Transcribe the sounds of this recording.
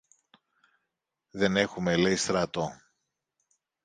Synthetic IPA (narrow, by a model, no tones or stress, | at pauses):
ðe̞ne̞xumeleist̪ɾɐt̪o